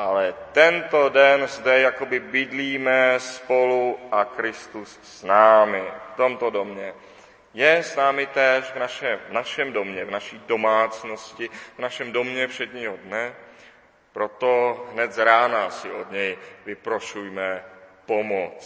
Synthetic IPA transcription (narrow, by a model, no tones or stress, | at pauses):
ʔalɛt̪ɛnt̪o̞dɛnzdɛjako̞bɪbɪdliːmɛspoluʔakɾɪst̪usːnaːmɪft̪o̞mt̪odomɲɛ | jɛsnaːmɪt̪ɛːʃvnaʃɛvnaʃɛmdo̞mɲɛvnaʃiːdo̞maːt͡sno̞scɪvnaʃɛmdo̞mɲɛpr̥ɛdɲiːɦodnɛ | pɾo̞t̪oɦnɛt̪zɾaːnasɪʔo̞dɲɛjvɪpɾoʃujmɛpo̞mot͡s